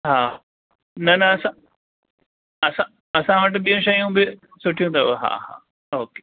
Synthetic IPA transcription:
ɦaː | nɐnɐɐsã | ɐsã | ɐsãʋɐʈ̬bijõʃɐjũbɪ | sʊʈʰijũːt̪ʰɐʋoɦa̰ːɦa̰ː | oːke̥ː

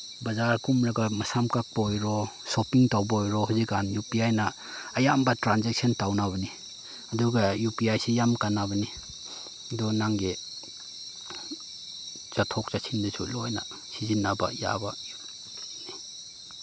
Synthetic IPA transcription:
bɐzaɾkumɾaɡamɐsamkak̚baɔjɾɔsopiŋtawbaɔjɾɔɦuzikanjupiajnaː | jambatɾanzek̚sɔntawnaβani | aduɡajupiajsijamkanabani | dunaŋɡe | z̥atʰɔk̚z̥asʰindisʰṵlɔjna̰ | sizinaba̰ja̰ba | ni

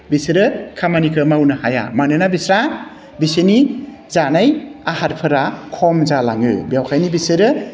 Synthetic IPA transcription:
bisɯɾɯkʰamanikʰɯmawnɯhaja̰manɯnabisɾa | bisɯni | zanajahaɾpʰɯɾakʰɔmzalaŋɯ̰bjawkʰajnibisɯɾɯ

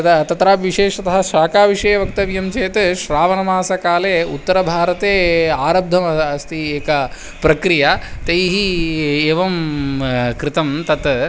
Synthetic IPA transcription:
t̪t̪ɐt̪ɾaːʋiʃeːʂɐt̪ɐɦɐʃaːkaːʋiʂɐjɐʋɐk̚t̪ɐʋjɐmt͡ʃeːt̪ʃɾaːʋɐnɐmaːsɐkaːleːut̪ːɐɾɐbʱaːɾɐt̪eːaːɾɐb̚d̪ʱɐmɐɐst̪ʰieːkɐ | pɾɐkɾijɐt̪ejɦieːʋɐm | kɾɪt̪ɐmt̪ɐt̪

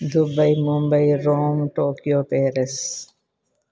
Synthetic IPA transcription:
d̪ʊbɐimʊmbəiɾoːmʈoːkijoːpeːɾes

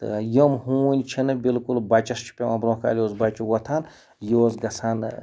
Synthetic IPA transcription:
t̪ɨ̰jəmɦuːnʲt͡ʃʰinɨbilkulbɐt͡ʃɐst͡ʃʰi̥pʲeɐ̃bɾõːka̰ːlʲjoːzbat͡ʃuwɐt̪ʰaːn | joːzɡɐsʰaːn

